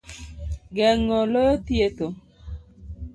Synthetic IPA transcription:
ɡɛŋːɔlojɔtjeto

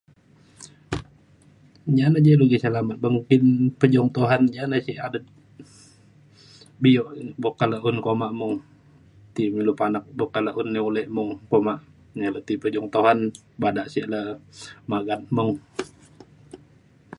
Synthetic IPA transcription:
ɲanad͡ʒaluɡisalamat̪̚məŋkɪnpəd͡ʒɔŋt̪oɦanɲanasiʔadət̪̚ | bijɔʔbokaləunkomaʔmuŋ | t̪imilupanak̚bokaləʔunːiulɛmuŋkomaʔ | ɲalət̪ipəd͡ʒɔŋt̪oɦan | badaʔsɛʔləmaɡat̪̚muŋ

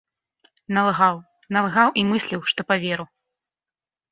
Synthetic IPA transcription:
nɐlˠɣaw | nɐlˠɣawʔimɨsʲlʲiwʂt̪ɔpavʲeɾu

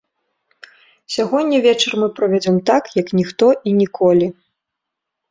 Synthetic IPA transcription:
sʲaɣɔnʲːɐvʲɛt͡ʂɐrmɨpɾɐvʲad͡zʲɔmt̪akjɐknʲixt̪ɔʔinʲikʰɔlʲi

